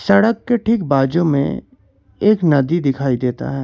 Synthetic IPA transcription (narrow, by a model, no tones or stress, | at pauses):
sɐɽəkːeʈʰik̚baːd͡ʒõmḛ̃ | eːknɐd̪id̪ɪkʰaːid̪eːt̪a̰ɦɛː